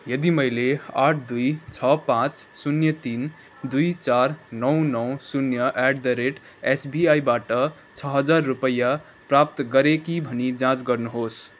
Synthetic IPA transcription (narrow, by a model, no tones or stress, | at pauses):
jəd̪iməjlea̰ʈʰd̪ujt͡ʃʰʌpãt͡ʃsunjət̪in | d̪uit͡ʃaɾnʌw̃nɔw̃sunjəʔɛɖd̪əɾeʈ | esbiaibaʈʌ | t͡ʃʰʌɦəd͡ʒaɾːupəjːa | pɾap̚t̪ɡʌɾekibʱənid͡ʒãt͡ʃɡʌɾnuɦos